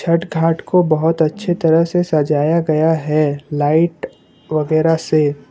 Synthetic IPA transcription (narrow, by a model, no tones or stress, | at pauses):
t͡ʃʰɐʈɡʱaːʈkobɐɦʊt̪ɐtːʃʰet̪ɐɾəɦsesɐd͡ʒaːjaɡɐjaɦɛlaːɪʈ | ʋɐɡɛːɾase